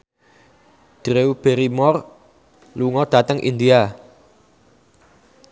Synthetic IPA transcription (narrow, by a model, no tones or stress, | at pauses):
d̥ɾeub̥eɾimɔr | luŋɔd̥a̤t̪əŋʔḭnd̪ia